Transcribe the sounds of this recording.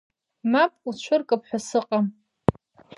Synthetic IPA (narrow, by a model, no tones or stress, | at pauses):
mapʼut͡ɕʷʰʊrkʼɨpʰħʷasɨqʼam